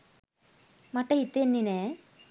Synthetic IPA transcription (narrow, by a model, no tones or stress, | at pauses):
mɐʈːɐit̪ːenːine